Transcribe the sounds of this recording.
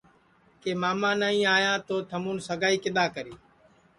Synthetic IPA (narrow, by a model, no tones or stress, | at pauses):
keːmaːmãːnaːĩːaːjãːt̪oːt̪ʰəmuːnsəɡaːiːkɪɗ̪aːkəɾiː